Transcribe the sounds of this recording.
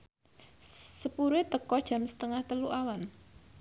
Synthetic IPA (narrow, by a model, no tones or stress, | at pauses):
səpuɾet̪əkɔd̥ʒ̥a̤msə̥t̪əŋaht̪əluʔawan